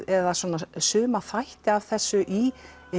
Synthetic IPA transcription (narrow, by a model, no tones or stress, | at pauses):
ɛðaswɔːnasʏːmaθajht̪ɪav̥θɛsːʏʔi